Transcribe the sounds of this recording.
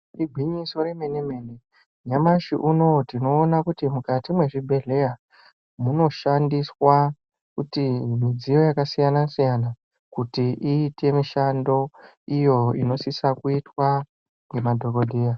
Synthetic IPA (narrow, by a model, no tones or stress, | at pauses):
iɡʱiɲiso̞ɾe̞meneme̞ne | ɲamaʃiʔuno̞tino̞ːnakutimukatimwe̞ʐibʱe̞ɮe̞ja | muno̞ʃandiswa | kutimid͡zijo̞jakasijanasijana | kutiʔiːte̞miʃando̞ | ijo̞ino̞sisakuitwa | ŋɡe̞madʱo̞ko̞dʱija